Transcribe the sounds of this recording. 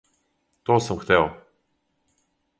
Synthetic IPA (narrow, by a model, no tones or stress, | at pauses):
t̪ɔsɤmxt̪ɛlˠ